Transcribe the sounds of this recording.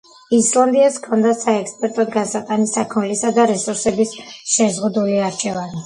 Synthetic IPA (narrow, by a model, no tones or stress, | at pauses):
islˠand̪iaskʰɔnd̪asaɛkspʼɛɾt̪ʼɔd̪ɡansat̪ʼanisakʰmɛlisad̪aɾɛsuɾsɛbisʃɛzʁud̪uliaɾt͡ʃʰɛvani